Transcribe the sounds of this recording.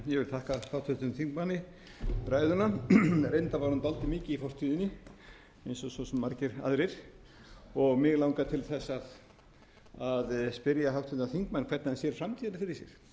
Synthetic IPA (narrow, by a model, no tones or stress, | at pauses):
jɛvɪlt̪ʰahkahawht̪ʰʏht̪ʏnθiŋkmanɪ | pɾaːjðʏnaɾejnt̪avaɾhunt̪alt̪ɪmɪːcɪifɔr̥t̪ʰiːðɪnːɪ | ejnsɔsɔsɛmːaɾcɪɾa̰ðɾɪɾ̥ | ɔɣmɪːɣlaːwŋkat̪ʰɪlθɛsːað | aðspɪɾjaθawht̪ʰœ̥ht̪naθiŋkmankʰvɛt̪naɛnsjɛɾ̥fɾamt̪ʰiːðalafɪɾɪɾ̥sjɛɾ̥